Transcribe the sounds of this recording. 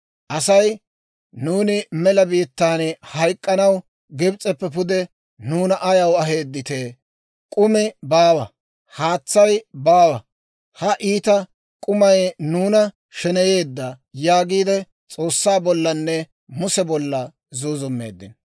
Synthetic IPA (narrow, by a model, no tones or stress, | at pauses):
ʔɐsɐj | nuːnɪmɛlɐbiːt̪ːaːnhɐjkʼːɐnɐw | ɡɛbt͡sʼɛpːɛpʊd̪ɛ | nuːnɐʔɐjɐwɐɦe̞ːd̪ːɪt̪eː | kʼʊmɪbaːwɐ | haːt͡sːɐjbaːwɐ | hɐʔiːt̪ɐ | kʼʊmɐjnuːnɐ | ʃɛnɛje̞ːd̪ːɐ | jaːɡiːd̪ɛ | t͡sʼo̞ːsːaːbɔlːɐnːɛ | mʊsɛbɔlːɐ | zuːzʊmːe̞̰ːd̪ːɪn